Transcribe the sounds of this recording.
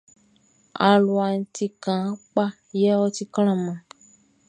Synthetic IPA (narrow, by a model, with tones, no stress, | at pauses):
a˨lu˨a˨ŋ̩˨t̪i˨kã˨˦k͡pa˦ | jɛ˦wɔ˦t̪i˦kl̃ã˦mã˨